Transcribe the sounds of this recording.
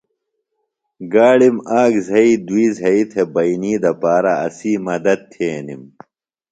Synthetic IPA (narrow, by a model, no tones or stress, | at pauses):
ɡaːɽimaːɡzʱɐid̪wiːzɐit̪ʰebɐiniːd̪ɐpaːɾɐɐ̰siːmɐd̪ɐd̪̚t̪ʰeːnim